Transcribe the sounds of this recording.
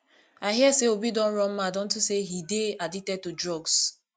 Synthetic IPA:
aɪɦiɛseobidɔ̃n̩ɾɔ̃n̩madɔ̃n̩tuseɦideaditɛd̚tudɹɔɡs

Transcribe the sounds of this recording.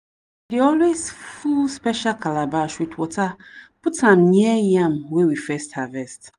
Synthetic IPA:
dɪɔlwesfuspɛʃalkʰalabaʃitwɔtʰapʊtʰãmnĩɛjãmwewifɛsthavɛst

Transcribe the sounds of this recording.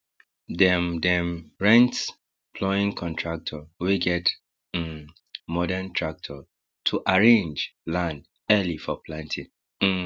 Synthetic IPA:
dɛmdɛ̃mɹɛ̃nt | pʰlɔĩŋkʰɔ̃ntʰɹak̚tʰɔwiɡɛt | mɔdɛntʰɹak̚tʰɔ | tʰuʔaɹẽnd͡ʒlãnd | ɛlifɔpʰlãntʰĩŋ̩

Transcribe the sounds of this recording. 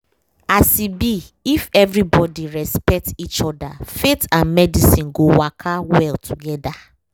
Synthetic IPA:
asibi | ifɛvɹibɔdiɹɛspɛk̚tit͡ʃɔda̰fetãnmɛdisĩnɡowakʰawɛltʰuɡɛda

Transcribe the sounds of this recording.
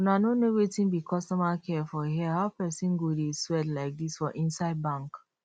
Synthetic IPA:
unanonowetĩnbikʰɔstɔmakʰɛfɔɦiaɦaʊpɛsĩnɡodeswɛdlaɪk̚disfɔʔĩnsaɪd̚bãŋk

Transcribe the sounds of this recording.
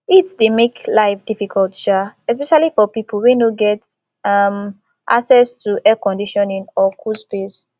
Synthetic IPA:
itdemeklaɪfd̥ifikʰɔltʃaɛspɛʃalifɔpipl̩wenoɡɛt | am | ʔa̰ksɛstuʔɛkɔ̃ndiʃɔ̃nĩŋɔkʰuspes

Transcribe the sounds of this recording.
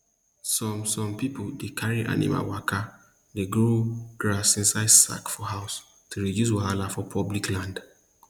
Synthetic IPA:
sɔ̃msɔ̃mpipodekʰaɹiʔa̰nḭma̰lwakʰa | deɡɹoɡ̥ɹasĩnsaɪdsa̰kfɔhaʊs | tʰuɹidjus̬waalafɔpʰɔbliklãnd

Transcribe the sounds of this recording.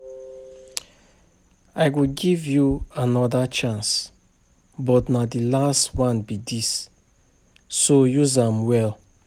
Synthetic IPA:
aɪkuɡivjuanɔdat͡ʃãns | bɔtnadilastwãnbidis | ojuzãmwɛl

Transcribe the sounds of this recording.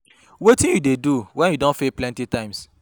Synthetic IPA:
wetĩnjudeduwɛ̃njudõnfeplɛ̃ntitãɪ̃ms

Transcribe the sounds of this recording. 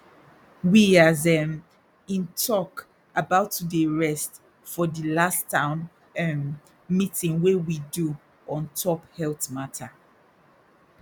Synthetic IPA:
wiazɛm | ĩntʰɔk | abaʊtːudeɹɛst | fɔdilastːãʊ̃n | ɛmː | itĩnwewidu | ɔ̃ntʰɔphɛltmatʰa

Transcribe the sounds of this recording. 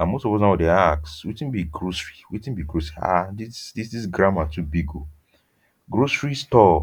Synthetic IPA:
ãmostɔvɔs̬nawɔdeakswetĩn̩biɡɾosɹiwetĩn̩biɡɾosɾia̰disdisdis̬ɡɾamatubiɡo | ɡɾosɹistɔ

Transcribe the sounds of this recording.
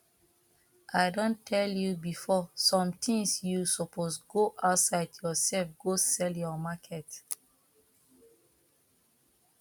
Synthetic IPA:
ʔaɪdõntʰɛljubifɔsɔ̃mtʰĩŋsjusɔposɡoʔaʊtsaɪdjɔsɛlfɡosɛljɔmakʰɛt

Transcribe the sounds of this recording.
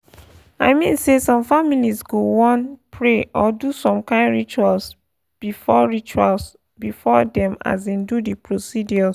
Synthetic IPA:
a̰ɪmḭ̃nsesɔ̃mfamilisɡowɔ̃npʰɹeʔɔdusɔ̃mkãɪ̃nɹit͡ʃuals | b̥ifɔɹit͡ʃuals | bifɔdɛ̃ma̰zĩndudipɹosidiɔs

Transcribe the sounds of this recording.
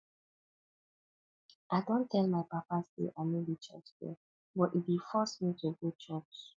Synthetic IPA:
ʔaɪdɔ̃ntʰɛlmaɪpapasdḛʔamebit͡ʃɔ̰t͡ʃdɛ̰ | bɔtit̚bifɔsmituɡot͡ʃɔt͡ʃs

